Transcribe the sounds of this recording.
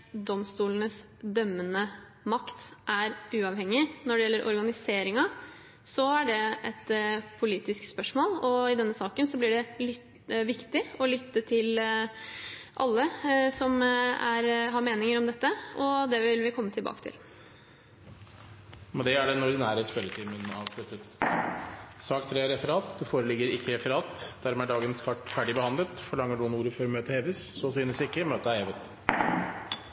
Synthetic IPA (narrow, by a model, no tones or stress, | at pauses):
d̪ɔmst̪uːlənəs | d̪œmːənə | mɑkt̪ʔæɾʉːɑʋhɛŋːɪnɔɖɛjɛlːəɾʔɔ̰ɾɡɑnɪseːɾɪŋɑ | sɔæɖɛʔɛt̪pʰʊliːt̪ɪskspœʂmoːlɔɪd̪ɛnːəsɑːkənsɔblɪɖɛlʏ | ʋɪkt̪ɪɔlʏt̪ːət̪ʰɪl | ʔɑ̰lːəsɔmæ̰ɾɦɑɾmeːnɪŋəɾɔmd̪ɛt̪ːəɔd̪ɛʋɪlʋɪkʰɔmːət̪ʰɪlbɑ̰ːkət̪ʰɪ̰l | mɛnd̪ɛæɖɛnɔɾd̪ɪnæːɾəspɛlːət̪ʰimənɑ̰ːʋsɛt̪ːət̪ | sɑːkt̪ʰɾeːɾɛfəɾɑːt̪foːɾəlɪɡːəɾɪkːəɾɛfəɾɑːt̪d̪̥æɾmɛæɖɑːɡənskʰɑʈːfæɖɪbəhɑnd̪lət̪fɔɭɑŋːəɖʉnuːɾəføːɾmøːt̪əheːʋəsːɔsyːnəsɪkːəmøːt̪əheːʋət̪